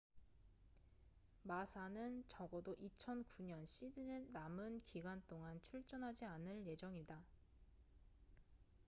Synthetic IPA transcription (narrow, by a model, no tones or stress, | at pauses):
masʰanɯnt͡ɕʌɡʌdoʔit͡ɕʰʌnkuɲʌnɕʰidɯnenamɯnkiɡwant͈oŋant͡ɕʰuɭt͡ɕ͈ʌnɦad͡ʑianɯɭje̞d͡ʑʌŋida